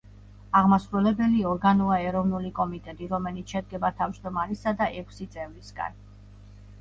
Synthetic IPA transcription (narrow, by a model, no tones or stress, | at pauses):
aʁmasɾulɛbɛliɔɾɡanuaɛɾɔvnulikʼɔmit̪ʼɛt̪ʼiɾɔmɛlit̪ʃɛd̪̚ɡɛbat̪ʰavd͡ʒd̪ɔmaɾisad̪aʔɛkʷʰsit̪sʼɛvɾisɡa̰n